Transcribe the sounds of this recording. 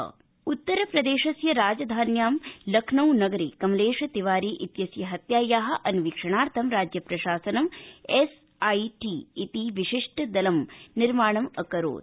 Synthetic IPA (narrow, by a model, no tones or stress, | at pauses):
ut̪ːɐɾɐpɾɐd̪eːʃɐsjɐɾaːd͡ʒɐd̪ʱaːnjaːmlɐkʰnɐwnɐɡɐɾikɐmleːʂɐt̪iʋaːɾiːʔit̪jɐsjɐɦɐt̪jaːjaːɦɐ̆ʔɐnʋikʂɐɳaːɾt̪ʰɐmɾaːd͡ʒjɐpɾɐʃaːsɐnɐmes | ɐjʈiːt̪iʋiʃiʂʈʰɐd̪ɐlɐmniɾmaːɳɐmɐkɐɾo̰ːd̪